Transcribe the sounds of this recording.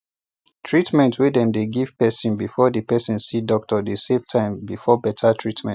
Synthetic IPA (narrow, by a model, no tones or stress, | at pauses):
tʰɹitmɛ̃ntʰwidɛ̃mdeɡiv̥pɛsɔ̃nbifɔdəpɛsĩnsidɔk̚tɔdesevtʰãɪ̃mbifɔbɛtʰatʰɹitmɛ̃nt